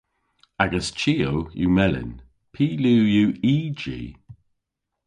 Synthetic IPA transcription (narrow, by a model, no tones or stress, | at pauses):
aɡəst͡ʃiːojṵmɛlɪ̰n | pʰiːluːjuːiːd͡ʒḭː